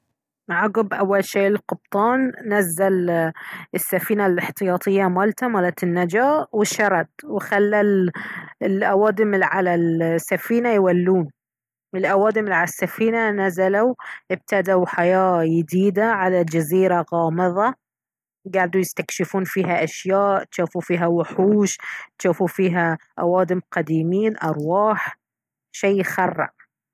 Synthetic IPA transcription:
ʕɑɡɨbʔawːalʃeːʔɪlqʊb̥̚t̪ˤɑːnːazːal | ɪsːafiːnalɪħt̪ɨjɑːt̪ˤʰɨjːamaːlt̪amaːlat̪ɪnːad͡ʒaːʔwɪʃɑɾˤɑt̪̚wɪxalːal | ɪlʔawaːd̪ɪmʕalalsːafiːnajwalːuːn | ʔɪlʔawɑːd̪ɪmɪlʕalasːafiːnanazalawʔɪb̚t̪ad̪awħajaːjɪd̪iːd̪aʕalad͡ʒaziːɾaɣɑːmɨðˤɑ | ɡaʕd̪ujɪst̪akʃɪfuːnfiːɦaʔaʃjaːʔt̪ʃuːfufiːɦawʊħuːʃt̪ʃaːfufiːɦaʔawɑːd̪ɪmqɑd̪iːmiːnʔɑɾˤwɑːħ | ʃejxɑrˤːɑ̰ʔ

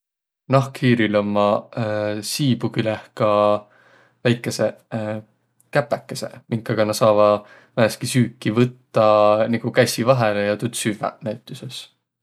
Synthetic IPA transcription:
nɑhkhiːɾilomːɑ | siːbukylehkɑ | væjkːˑe̞se̞ | kæpːˑækːˑese̞̰miŋkːˑɑɡ̥ɑnɑsɑːvɑ | væɦeskisyːkˑːivɤt̪ːɑniɡ̥ukæsʲivɑɦelejɑt̪ut̪syvæ̰næjt̪ːˑuses

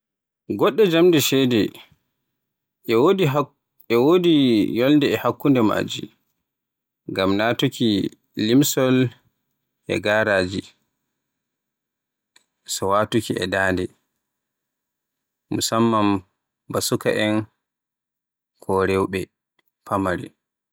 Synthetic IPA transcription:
ɡɔɗːɛd͡ʒamdɛʃɛdɛ | wodi | ɛwodijɔldɛɛhakːundɛma̰ːd͡ʒḭ | ɡamnaːtukiː | imsɔl | ʔɛ̰ɡaːɾaːd͡ʒi | sɔwatukiɛ̰daːndɛ | musamːam | basuka̰ʔɛn | kʰɔɾɛwɓɛ | pʰamaɾḭ

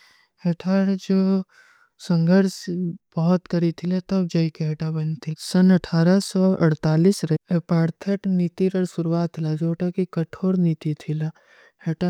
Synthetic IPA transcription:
heʈʰaːɾd͡ʒoː | sɐ̃ŋɡʱəɾsbɔɦɔt̪kɐɾit̪ʰilet̪ɐb̚d͡ʒɐikeɦeʈabɐnt̪ʰisɐnɐʈʰaːɾasɔʔɐ̰ɽt̪aːlisɾeepaːɾt̪ʰeʈniːt̪iɾɐɾsʊɾuaːt̪ʰlad͡ʒoːʈakikɐʈʰoːɾniːt̪it̪ʰila | heːʈa

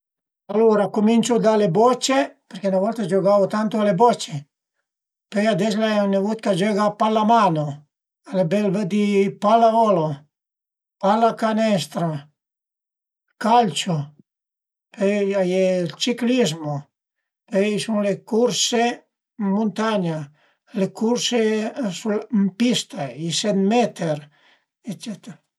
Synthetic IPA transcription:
aloɾakomint͡ʃud̪alebɔt͡ʃːepeɾkenavɔlt̪ad͡ʒoɡavot̪ant̪oalebɔt͡ʃːe | pøjad̪ɛslaɛnːevut̪̚kad͡ʒɔɡapalamano | alebɛlvəd̪ipalavɔlo | palːakanɛst̪ɾa | kalt͡ʃo | peajelt͡ʃiklizmo | peisuŋlekuɾse | mːunt̪aɲa | lekuɾsesulmpist̪aisenmɛt̪eɾ | et͡ʃet̪eɾa

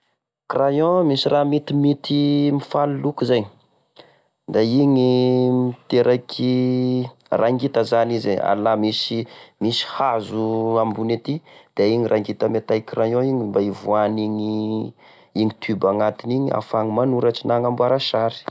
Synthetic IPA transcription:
krajɔ̃misirʔamit̪imit̪imifalulukuzajɲ | d̪aiŋimit̪eɾʔakʰi | rʔaŋɡit̪əzanizea̰lamisimisi̥hazuambunet̪id̪̥eiɲirʔaŋɡit̪əmet̪ajkrajɔ̃iɲimbaivuaniɲi | iŋit̪ʰybaŋat̪iniɲia̰faŋimanuɾaʈ͡ʂinaŋambuaɾaʃaɾi̥

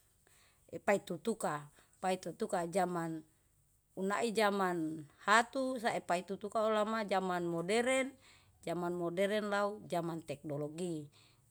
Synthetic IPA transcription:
ɛpait̪ut̪uka | pait̪ut̪ukad͡ʒaman | unaʔid͡ʒamanhat̪usaepait̪ut̪ukaulamad͡ʒamanmɔdɛɾɛn | d͡ʒamanmɔdɛɾɛnlaud͡ʒamant̪ɛk̚noloɡi

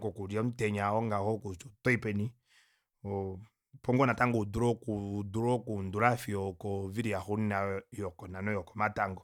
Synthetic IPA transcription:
kɔkuɾiatɛɲaɔŋɡahɔkut͡ʃɔtɔipɛni | ɔ | pɔŋɡɔnataŋɡɔduɾɔkuuduɾɔkunduɾafiɔkɔviɾiahunnajɔkɔnanɔjɔkɔmataŋɡɔ

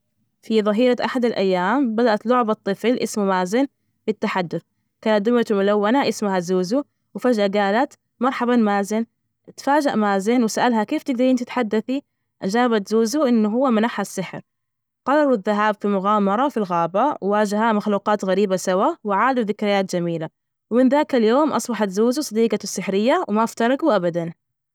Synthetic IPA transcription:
fiðˤɑɦiːɾaʔaħad̪alʔajːaːmbad̪aʔat̪lʊʕbɑt̪ˤːɨflʔɪsmumaːzɪn | b̥ɪt̪ːaħad̪ːʊθ | kaːnat̪̚d̪ʊmat̪mʊlawːanaʔɪsmahazuːzu | wfad͡ʒʔaɡaːlat̪ | mɑɾˤħɑbamaːzɪn | t̪faːd͡ʒaʔmaːzɪnwɪsaʔalɦakeːft̪ɪɡ̚d̪ɑɾiːnt̪ɪt̪ħad̪ːaθi | ʔad͡ʒaːbat̪zuːzuʔɪnːʊɦʊwːamanaːħhasːɪħɾ | qɑɾˤɑɾˤðːaɦaːbfimʊɣaːmɑɾˤɑfilɣaːbawɪwaːd͡ʒahamaxluːqɑːt̪ɣaɾiːbasawawɪʕaːd̪aðɪkɾɪjaːt̪d͡ʒamiːla | wmɪnðaːkaljoːmʔɑ̰sˤbɑħɑt̪zuːzusˤɑd̪iːqɑsːɪħɾɪjːawɪmaʔaft̪ɑɾˤɑɡuʔabad̪an

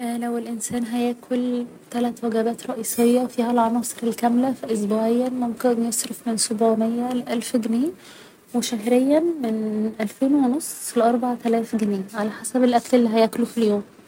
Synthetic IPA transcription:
ʔlæwelʔɪnsæːnɦæjæːkʰolt̪ælæt̪wæɡæbæːt̪ɾˤɑʔiːsˤejːɑfiːhælʕɑnɑːsˤɨɾelkæmlæfiʔos̬buːʕejːænmomkenjesˤɾɑfmɪnsobuʕmejːæleʔælfɡneː | weʃæɦɾejːæmenʔælfeːnwenosˤleʔɑɾˤbɑʕt̪ælæːfɡniːʕalæħasæbelʔækælelːiːɦæjæklufiljoːm

